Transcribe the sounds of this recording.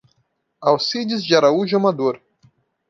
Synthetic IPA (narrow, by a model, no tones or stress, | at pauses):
awsid͡ʒizd͡ʒaɾauʒamad̪oɾ